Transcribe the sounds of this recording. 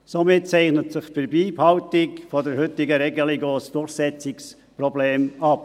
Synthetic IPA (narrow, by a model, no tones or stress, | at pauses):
somɪt̚t͡sɛɪχnətsɪχfəɾbiːphɑwtɪkfɔdəɾhʏtɪɡəɾɛɡəliɡoːsd̥ʊɾχsɛt͡sɪks | prɔbleːmɑp